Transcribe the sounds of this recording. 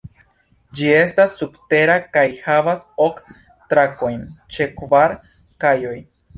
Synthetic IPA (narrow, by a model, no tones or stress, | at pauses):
d͡ʒie̞stasːubte̞ɾakajhavaso̞k | tɾako̞jnt͡ʃe̞kvaɾ | kajo̞j